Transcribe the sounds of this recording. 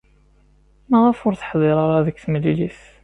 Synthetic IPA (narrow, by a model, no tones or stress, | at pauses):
mæʁæfʊɾθə̥ħðˤeɾˤɑɾˤaðəkːθəmlːiliθ